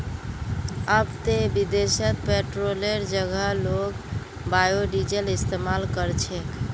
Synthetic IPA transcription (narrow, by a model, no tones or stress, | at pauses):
abt̪ebid̪esət̪̚peʈɾoleɾd͡ʒəɡʱəlok | bajoɖid͡ʒəlist̪emalkəɾt͡ʃʰek